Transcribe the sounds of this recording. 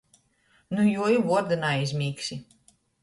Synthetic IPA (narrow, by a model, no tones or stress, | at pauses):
nujuɔjivuɔɾd̪ɨnaizʲmʲiːksʲi